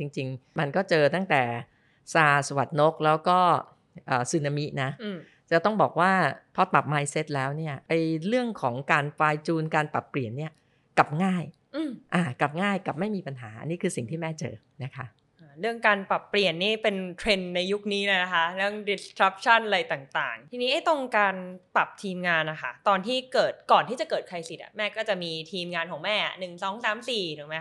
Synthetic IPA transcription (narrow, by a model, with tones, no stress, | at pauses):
t͡ɕi˧ŋt͡ɕi˧ŋma˧nkɔː˥˩t͡ɕɤː˧t̪a˥˩ŋt̪ɛː˨˩ | saː˧sa˧wa˨˩t̪̚no˦˥k̚lɛː˦˥wkɔː˥˩ | ʔɤː˨˩sɯ˧na˧mi˦˥na˦˥˧ | t͡ɕa˨˩t̪ɔ˥˩ŋbɔː˨˩k̚waː˥˩pʰɔ˦˥t̪a˨˩p̚maː˧jse˦˥t̪̚lɛː˦˥wni˥˩ɐʔa˧jɾɯ˥˩əŋkʰɔː˩˦ŋkaː˧nfaː˧jt͡ɕuː˧nkaː˧npa˨˩pːli˨˩ənːi˥˩ɐ | ka˨˩p̚ŋaː˥˩j | ʔɯː˧˩mʔaː˨˩kla˨˩p̚ŋaː˥˩jka˨˩p̚ma˥˩jmiː˧pa˧nɦa̰ː˩˦ʔa̰˧nːiː˦˥kʰɯː˧si˨˩ŋt̪ʰiː˥˩mɛː˥˩t͡ɕɤ̰ː˧ | na˦˥kʰa˦˥ʔ | ʔaː˧ɾɯ˥˩əŋkaː˧npa˨˩pːli˨˩ənːiː˥˩pe˧nt̪ʰɾe˧nːa˧jːu˦˥k̚niː˦˥ləː˧jna˦˥kʰa˦˥lɯ˥˩əŋdi˧skʰɾa˦˥p̚t͡ɕʰa˥˩nʔa˧a˧jt̪aː˨˩ŋt̪a̰ː˨˩ŋt̪ʰiː˧ni˦˥ʔa˥˩jt̪o˧ŋkaː˧npa˨˩p̚t̪ʰiː˧mŋaː˧nːa˨˩kʰa˦˥˩t̪ɔː˧nt̪ʰiː˥˩kɤː˨˩t̪̚kɔː˨˩nt̪ʰiː˥˩t͡ɕa˨˩kɤː˨˩t̪̚kʰa˧jsi˨˩t̪̚ʔa̰˨˩mɛː˥˩kɔː˥˩t͡ɕa˨˩miː˧t̪ʰiː˧mŋaː˧nkʰɔː˩˦ŋmɛː˥˩ʔa̰˨˩nɯ˨˩ŋsɔː˩˦ŋsaː˩˦msiː˨˩t̪ʰuː˨˩˦ma˦˥